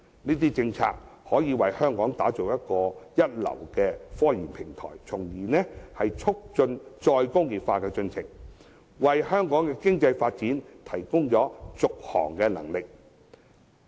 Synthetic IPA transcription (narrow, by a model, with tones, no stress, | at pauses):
niː˥t̪̬iː˥t͡sɪ˧ŋt͡sʰa̰ː˧k̚hɔː˨˥jiː˨˧wɐ˨jhœː˥ŋkɔː˨˥ŋt̪aː˨˥t͡so˨wjɐ˥t̚kɔː˧jɐ˥t̚lɐ̰˨˩wkɛː˧fɔː˥jiː˨˩npʰɪ˨˩ŋt̪ʰɔ̰ː˨˩jt͡sʰʊ˨˩ŋjiː˨˩nɛ˥hɐ˨jt͡sʰʊ˥k̚t͡ʃɵ˧nt͡ʃɔː˧jkʊ˥ŋjiː˨tfaː˧kɛː˧t͡sɵ˧nt͡sʰɪ˨˩ŋ | wɐ˨jhœː˥ŋkɔː˨˥ŋkɛː˧kɪ˥ŋt͡sɐ˧jfaː˧t̚t͡siː˨˥nt̪ʰɐ˨˩jkʊ˥ŋt͡ʃɔː˨˥t͡sʊ˨k̚hɔ̰ː˨˩ŋkɛː˧nɐ̰˨˩ŋlɪ˨k̚